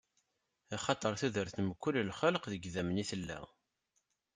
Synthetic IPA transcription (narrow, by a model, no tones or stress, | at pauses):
ɑχɑt̪ˤəɾˤθuðəɾθəmkːʊlːlχəlqðəɡðæmniθəlːæ̰